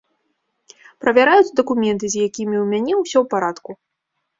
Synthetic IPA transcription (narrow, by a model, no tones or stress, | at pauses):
pɾɐvʲaɾajut͡sʲd̪ɐkumʲɛnt̪ɨzʲjakʲimʲiwmʲanʲɛwsʲɔwpaɾat̪ku